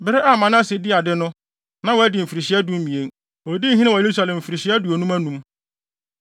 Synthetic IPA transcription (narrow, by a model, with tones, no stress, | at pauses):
bɪ˦ɾɪ˦ʔa˦˨mã˨n˦ã˦sɪ˨dɪ˦a˨dɪ˦nʊ̃˦ | nã˦wɔ˨˦dɪ˨m̩˨fi˨ɾi˨ɕi˨˦æ˦dũ˦m˦mĩ˨e˨n | ɔ˨di˦ɦĩ˦nɪ̃˦wɔ˨je˨ɾu˦sa˨lɛ̃˨m̩˨fi˨ɾi˨ɕi˦a˦du˨o˨nũ˦mæ˦nũ˦m